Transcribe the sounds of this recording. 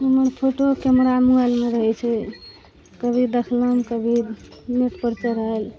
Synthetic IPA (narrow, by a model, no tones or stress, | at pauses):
ɦəmənpʰoʈokɛmɾamualmeɾəɦɛt͡ʃʰɛ | kəbʱid̪ekʰləmkəbʱiniʈ̪pəɾt͡ʃəɾəel